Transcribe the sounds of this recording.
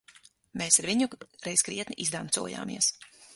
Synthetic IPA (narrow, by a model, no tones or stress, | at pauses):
meːsaɾviɲuɾɛjskɾiɛt̪niʔizd̪ant̪sṵɔja̰ːmḭɛs